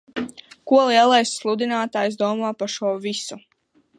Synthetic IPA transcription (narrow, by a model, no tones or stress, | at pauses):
kuɔlˠiɛlˠajsːlˠud̪ʲinaːt̪aːjsd̪uɔmaːpaʃuɔvisu